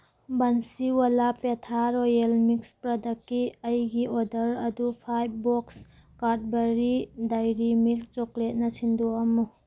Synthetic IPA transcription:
bansiwalapetʰaɾojelmikspɾɐdɐkːiɐjɡiʔodɐɾɐdupʰajb̚bɔks | kat̚bɐɾidajɾimilk̚t͡ʃoklet̚nɐsinduɐmu

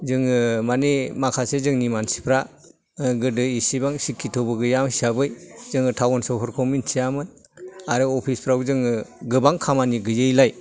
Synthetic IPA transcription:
zɯŋɯmanemakʰasezɯŋnimansi̥pʰɾa | ɡɯdɯisibaŋsikʰːitʰobɯɡɯjamsabɯjzɯŋɯtʰawɔnsɔwpʰɔɾkʰɔminsʰijamɯn | aɾɯɔpʰispʰɾawzɯŋɯɡɯbaŋkʰamaniɡɯjɯjlaj

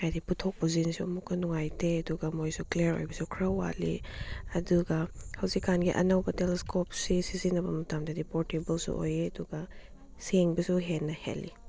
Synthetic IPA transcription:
hajdiputʰok̚pɐzinsuɐmukːɐnuŋajteɐduɡɐmojsukleeɾo̰jbɐsukʰɾɐwa̰liɐduɡɐhɐwzikːanɡiʔɐ̰nɐwbɐteleskʰopsisizinɐbɐmɐtamdɐdipoɾtebɐlsṵʔo̰jeɐduɡɐ | seŋbɐsuɦenːɐhḛlːḭ

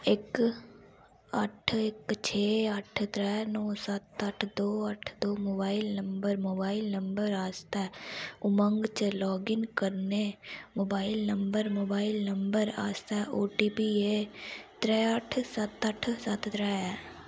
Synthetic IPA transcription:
ɪk | əʈʰɪkt͡ʃʰeːəʈʰt̪ɾɛːnɔːsət̪əʈʰd̪oːəʈʰd̪oːmoːbaːɪlnəmbəɾmoːbaːɪlnəmbəɾaːst̪ɛːʊmə̃ŋɡt͡ʃəlɔːɡɪŋkəɾnemoːbaːɪilnəmbəɾmoːbaːɪlnəmbəɾa̰ːst̪ɛːʔoːʈiːpiːeːt̪ɾɛːəʈʰsət̪əʈʰsət̪t̪ɾɛːɛː

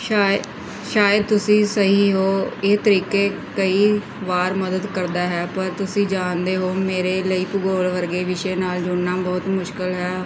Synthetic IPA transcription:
ʃaːjəd̪̚t̪ʊsĩːsəɦiːɦoːɪt̪əɾiːkeː | kəiː | ʋaːɾməd̪əd̪kəɾd̪aːɦɛːpəɾt̪ʊsĩːd͡ʒaːnd̪eːɦoːmeːɾeːləiːpʊɡoːlʋəɾɡeːʋɪʃeːnaːld͡ʒʊɳːãːbɔːt̪mʊʃkɪlɦɛː

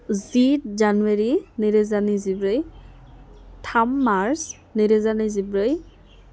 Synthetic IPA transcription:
zitzanuweɹiniɹɛzanizibɹej | tʰamːaɹs | niɹɛzanizibɹej

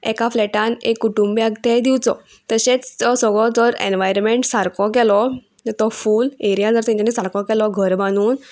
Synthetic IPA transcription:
ɛkaflɛʈãnekːuʈumbjaɡt̪ɛd̪iwt͡sɔ̰ | t̪əɕet͡sɔsɔɡɭɔd͡zɔɾḛnʋajɾmeɳʈsaɾkɔkɛlɔ | t̪ɔfuːleɾijad͡zəɾt̪ɛ̃ɲd͡ʑanisaɾkɔ̃kɛlɔɡʱəɾmañuːn

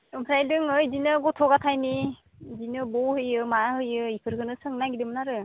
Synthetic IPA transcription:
ɯmpʰɾajdɯŋɯjdinɯɡɔtʰɔɡatʰajni | zinɯbɔhɯjɯmaɦɯjɯipʰɯɾɡɯnɯsɯŋnaɡidɯmnaɾɯ

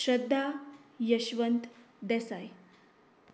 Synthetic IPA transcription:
ɕɾəd̪ʱːajəɕʋənt̪ | d̪ɛsaj

